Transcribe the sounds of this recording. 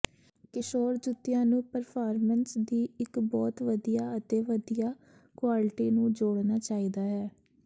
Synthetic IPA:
kɪʃoːɾd͡ʒʊt̪ːɪjãːnũːpəɾpʰaːɾmənsd̪iːɪkbɔːt̪ʋəd̪ijaːət̪eːʋəd̪ijaː | kʋaːlɪʈiːnũːd͡ʒoːɽnaːt͡ʃaːiːd̪aːɦɛː

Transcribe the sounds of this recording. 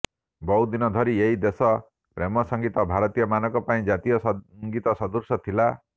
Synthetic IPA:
bɔwd̪inɔd̪ʱɔɾieɦid̪esɔ | pɾemɔsɔŋɡit̪ɔbʱaɾɔt̪ijɔmanɔkɔpaĩd͡ʒat̪ijɔsŋɡit̪ɔsɔd̪uɾsɔt̪ʰila

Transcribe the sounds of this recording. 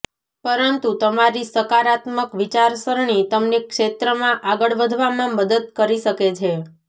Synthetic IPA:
pəɾənt̪ut̪əmaɾisəkaɾat̪məkʋit͡ʃaɾsəɾɳ̃it̪əmnekʃet̪ɾəmãʔaɡəɭʋəd̪ʱʋamãməd̪əd̪̚kəɾiʃəket͡ʃʰe

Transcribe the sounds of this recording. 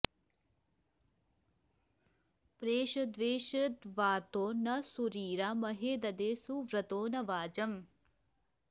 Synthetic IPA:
pɾeːʃɐd̪ʋeːʃɐt̪ʋaːt̪oːnɐsuɾiːɾamɐɦeːd̪ɐd̪eːsuʋɾɐt̪oːnɐʋaːd͡ʒɐm

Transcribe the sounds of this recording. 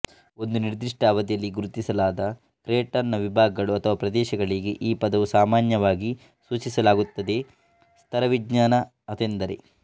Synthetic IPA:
o̞nd̪uniɾd̪ɾiʂʈaːʋɐd̪ijɐlːiɡuɾut̪isɐlaːd̪ɐ | kɾeːʈɐnːɐʋibʱaːɡɐɡɐɭuɐt̪ʰɐʋaːpɾɐd̪ɛːʃɐɡɐɭiɡeʔiːpɐd̪ɐʋusaːmaːnjɐʋaːɡi | suːt͡ʃisɐlaːɡut̪ːɐd̪e̞ | st̪ʰɐɾɐʋiɡɲaːnɐ | ɐt̪end̪ɐɾḛ

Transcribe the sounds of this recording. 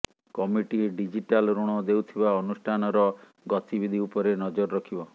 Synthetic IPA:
kɔmiʈiɖid͡ʒiʈalɾuɽ̃ɔd̪ewt̪ʰibaɔnusʈʰanɔɾɔ | ɡɔt̪ibid̪ʱiupɔɾenɔd͡ʒɔɾɔɾɔkʰibɔ

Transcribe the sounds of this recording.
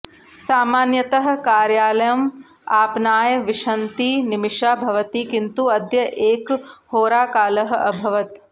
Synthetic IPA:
saːmaːnjɐt̪ɐɦɐ̆kaːɾjaːlɐjɐm | aːpnaːjɐʋiʂɐnt̪inimiʂaːbʱɐʋɐt̪ikint̪uɐd̪jɐʔeːkhoːɾaːkaːlɐɦɐʔɐbʱɐʋɐt̪

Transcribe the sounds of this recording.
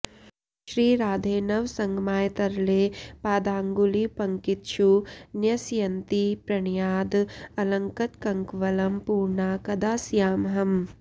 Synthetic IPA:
ʃɾiːɾaːd̪ʱeːnɐʋsɐŋɡmaːjt̪ɐɾleːpaːd̪aːŋɡulipɐŋkit̪ʃunjɐsjɐnt̪ipɾɐɳjaːd̪ɐlɐŋkɐt̪kɐŋkʋɐlɐmpuːɾɳaːkɐd̪aːsjaːmɦɐm

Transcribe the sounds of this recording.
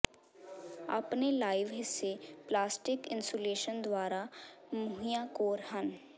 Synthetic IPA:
ɐ̰pnelaːɪʋɦɪsːeplaːsʈɪkɪ̃nsoleːʃənd̪waːɾa | mʊɦijakoːɾɦən

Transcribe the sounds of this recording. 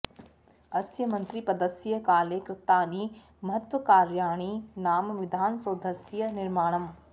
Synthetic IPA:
ɐsjəmɐ̃nt̪ɾipɐd̪əsijəkaːlekɾɪt̪aːniː | mɐɦət̪ʋəkaːɾjaːɽ̃inaːmʋɪd̪ʱaːnsoːd̪əsjənɪɾmaːɽ̃ɐm

